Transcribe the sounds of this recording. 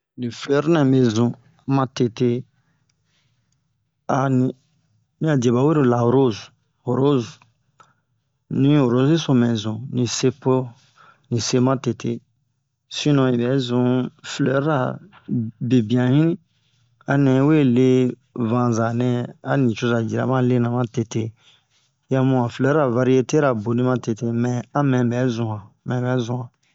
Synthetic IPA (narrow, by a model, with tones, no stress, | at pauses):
nĩ˨flɛ˦ɾnɛ̃˨be˧zũ˨ | mã˧te˨te˧ | a˨nĩ˨ | nĩ˦a˨de˨ba˨˦we˦ɾo˨la˨ho˨ɾo˦zu˨ | ho˨ɾo˦z | nĩ˨˦ho˨ɾo˨˦zi˦sõ˨mɛ̃˨zũ˨nĩ˨se˧po˦ | nĩ˨se˧mã˦te˨te˧ | sĩ˦nɔ̃˨i˨bɛ˨˦zũ˨flɔ˨˦ɾɾa˨ | be˨bi˨ã˨hĩ˦ | a˨nɛ̃˨˦we˦˨le˦ | vã˧za˨nɛ̃˦a˦nĩ˨t͡ʃo˧za˨d͡ʒi˨ɾa̰˨mã˦le˦nã˨mã˦te˨te˦ | jã˦mũ˦ã˨flɛ˨˦ɾɾa˨va˧ɾi˦e˦te˦ɾa˨bo˨nĩ˦mã˦te˨te˦mɛ̃˨a˦mɛ̃˨bɛ˨˦zũ˨hã˨ | mɛ̃˨bɛ˨˦zũ˨hã˨